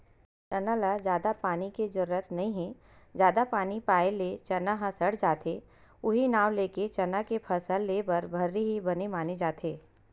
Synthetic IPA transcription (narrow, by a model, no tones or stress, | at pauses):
t̪ɐnəlazjaːd̪apaːniked͡ʒɐɾuət̪nɐɦĩɦɛ̃ | d͡ʒjaːd̪apaːnipaːelet͡ʃɐnaɦãsəɽd͡ʒaːt̪ʰe | ʊɦinaːʋleːket͡ʃɐnakepʰɐsəlːeːbɐɾbʱɐɾːiɦibɐnemaːned͡ʒaːt̪ʰeː